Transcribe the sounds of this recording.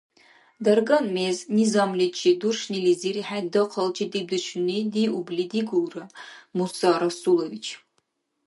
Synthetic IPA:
dɐrɡɐnmeznizamlit͡ʃʰʼidurʂniliziriħadɨqʰɐlt͡ʃʰʼidib̚dɨʃʰʷʊnidiʔublidiɡʷuːrɐmusaɾɐsulovit͡ʃʰ

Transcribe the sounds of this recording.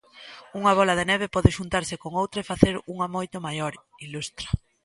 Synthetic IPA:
uŋɐβ̞ɔlaðenɛβ̞epɔðɪʃunt̪aɾsɪkoŋowt̪ɾaefaθeɾuŋamojt̪omajoɾ | ilust̪ɾa

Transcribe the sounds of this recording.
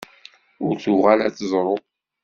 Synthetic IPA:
ʊɾθʊʁalæt͡sːzˤɾˤo

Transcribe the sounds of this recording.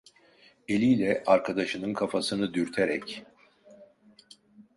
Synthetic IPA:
e̞lʲijlʲɛʔaɾkʰad̪aʃɯnɯnkʰafasɯnɯd̪yɾt̪ʰeɾɛ̰c

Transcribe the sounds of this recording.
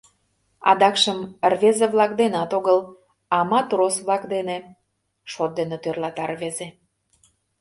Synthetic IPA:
ɑ̰d̪ɑkʃəmrvezeβlɑk̚d̪enɑt̪oɣəl | ɑmɑt̪rosβlɑkd̪ene | ʃot̪̚d̪enet̪ørlɑt̪ɑrveze

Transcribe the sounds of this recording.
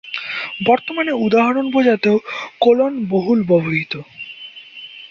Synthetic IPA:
bɔɾt̪omaneud̪aɦaɾonpod͡ʑat̪eokolonboɦulbɔboɦit̪o

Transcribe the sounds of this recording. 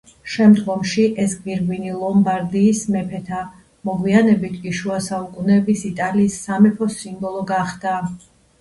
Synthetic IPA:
ʃɛmd̪ɡɔmʃiʔɛsɡviɾvinilˠɔmbaɾd̪iːsmɛpʰɛt̪ʰa | mɔʁwianɛbit̪ʰkʼiʃuasaukʼunɛːbisit̪ʼaliːsːamɛpʰɔsimbɔlˠɔɡaχd̪̥a

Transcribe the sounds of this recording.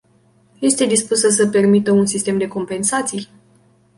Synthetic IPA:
je̞st̪e̞d̪ispusəsəpe̞rmit̪əunsist̪e̞md̪e̞ko̞mpe̞nsat̪sij

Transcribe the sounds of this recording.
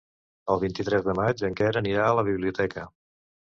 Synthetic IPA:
əlˠβint̪it̪ɾɛzðəmad͡ʒəŋkɛɾəniɾaələβ̞iβliut̪ɛkə

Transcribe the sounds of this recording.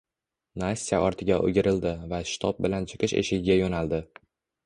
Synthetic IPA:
nasʲːijaɒɾt̪ʰɪɡʲaʔo̰ɡʲɪɾɪld̪ɪvaʃɪ̥t̪ʰɒp̚bɪlant͡ʃʰɪ̥qʰɨʃḛʃɪɡʲɪɡʲajonald̪ɪ

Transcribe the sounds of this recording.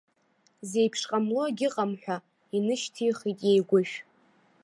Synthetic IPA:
ze̞jpʰʂqʼamloɡʲɪqʼamħᶣʷa | inɨʃtʰijχitʼjejɡʷʊʃᶣ

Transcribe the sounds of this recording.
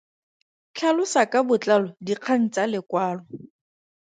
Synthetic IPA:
kʰalʊsakʼabʊt͡ɬalɔdiq͡χʰan̩t͡salɪkwaːlɔ

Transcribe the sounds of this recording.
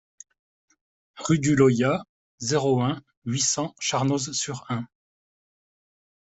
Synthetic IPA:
ʁyd̪ylɔja | zeʁoɛ̃ | ɥisɑ̃ʃaʁnozsyʁɛ̃

